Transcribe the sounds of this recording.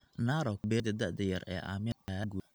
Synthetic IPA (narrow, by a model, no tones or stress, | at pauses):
naːɾɔk̚bɛːd̪ɐd̪ɐʕd̪ɐjɐɾɛ̰ːʔa̰ːmɪɡu